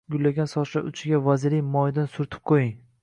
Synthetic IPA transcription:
ɡʊlːaɡʲansɒʃaʊt͡ʃʰɪɡʲavazɪɾijmɒjd̪ansʊɾt̪ʰɪ̥p̚qʰojɪŋ

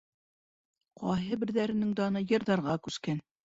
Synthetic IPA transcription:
qɑɦɤbɘ̆ɾðæɾɘ̆nɘŋd̪ɑnɤjɤ̆ɾðɑɾʁɑkʉskæn

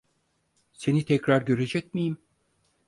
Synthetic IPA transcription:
se̞nit̪ʰɛcɾaɾɟø̞ɾe̞d͡ʒɛc̚mijim

